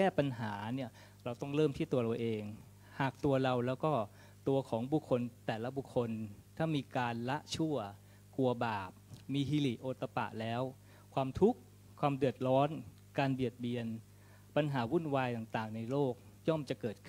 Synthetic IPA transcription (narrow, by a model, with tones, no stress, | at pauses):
kɛː˥˩pa˧nɦaː˩˦ni˥˩ɐ | ɾa˧wt̪ɔ˥˩ŋɾɤː˥˩mt̪ʰiː˥˩t̪u˧ɐɾa˧wʔeː˧ŋ | haː˨˩k̚t̪u˧ɐɾa˧wlɛː˦˥wkɔː˥˩ | t̪u˧ɐkʰɔː˩˦ŋbu˨˩kʰːo˧nt̪ɛː˨˩la˦˥bu˨˩kʰːo˧nt̪ʰaː˥˩miː˧kaː˧nla˦˥ʔt͡ɕʰu˥˩ɐ | ku˧ɐbaː˨˩p̚miː˧ɦiː˧li˨˩ʔoː˧t̪a˧pa̰˨˩ʔlɛː˦˥w | kʰwaː˧mt̪ʰu˦˥kʰ | waː˧mdɯ˨˩ət̪̚ɾɔː˦˥n | kaː˧nbi˨˩ət̪̚bi˧ən | pa˧nɦaː˩˦wu˥˩nwaː˧jt̪aː˨˩ŋt̪aː˨˩ŋna˧jloː˥˩k̚ | jɔ˥˩mt͡ɕa˨˩kɤː˨˩kʰɯ˥˩